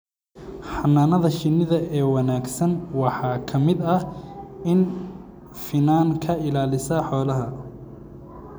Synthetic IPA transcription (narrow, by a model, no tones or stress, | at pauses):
ħɑnːaːnɐðɐʃɪnːɪðɐɛːwɑnaːɡsɐnwɑħɑːkʰɐmɪd̪ɐ | ɪn | fɪnaːŋkʰɐɪlaːlɪsɐħɔːlɐɦɐ